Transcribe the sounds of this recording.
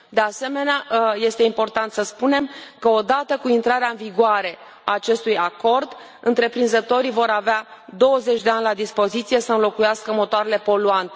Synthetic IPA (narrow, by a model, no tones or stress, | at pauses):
d̪e̞ase̞me̞neaje̞st̪e̞impo̞rt̪ant̪səspune̞mkəod̪at̪əkuint̪ɾaɾeaɨnviɡoaɾe̞ | aːt͡ʃe̞st̪ujako̞rd̪ | ɨnt̪ɾe̞pɾinzət̪o̞ɾivo̞ɾavead̪o̞wəze̞t͡ʃʲd̪e̞anʲlad̪ispo̞zit̪sije̞səɨnlo̞kujaskəmo̞t̪oaɾe̞le̞po̞luant̪e̞